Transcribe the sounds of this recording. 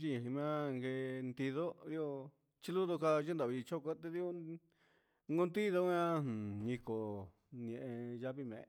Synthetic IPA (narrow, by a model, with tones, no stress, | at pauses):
t͡ʃi˧ã˨ɦĩ˧mã˦ŋɡe˧nd̪i˧ðo˦ɾi˦o˧ | t͡ʃi˦˧lu˦ðo˧ka˧ʒe˦nd̪a˨βi˧t͡ʃo˦ka˧˦t̪e˧ði˦o˦ | ŋɡo˧nd̪i˦ðo˧˦ã˦˨ɲĩ˧ko˨ | ñ˧ẽ˨ʔẽ˧ʒa˧βi˧mḛ̃˨˧